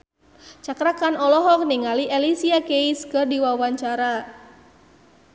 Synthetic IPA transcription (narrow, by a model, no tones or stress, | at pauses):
t͡ʃakɾakanɔlɔɦɔk̚niŋaliʔɛlisiakejskɨrdiwawaɲt͡ʃaɾa